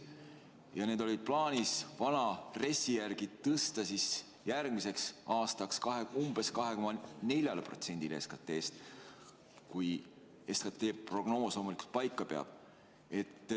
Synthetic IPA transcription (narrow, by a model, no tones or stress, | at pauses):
jɑne̞ːd̪o̞lʲid̪̥̚plɑːnʲisvɑnɑre̞sːijærɡ̥id̪t̪ɤst̪ɑsis | jærɡmise̞ksɑːst̪ɑkskɑɦeumb̥e̞skɑɦe̞ko̞mɑne̞lʲjɑlepro̞̰t̪se̞nʲd̪ileeskɑt̪ːˑe̞ːst̪ | kuj | e̞skɑt̪ˑːe̞ːpro̞ɡ̥no̞ːslo̞ːmuliku̥lt̪̚pɑjkˑːɑpe̞ɑ̰b̥ | e̞t̪ːˑ